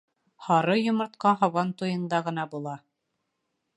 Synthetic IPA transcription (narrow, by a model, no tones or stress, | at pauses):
hɑɾɤjŏmɤ̆ɾt̪̚qɑɦɑwɑnt̪ujɤ̆nd̪ɑʁɤ̆nɑbulˠɑ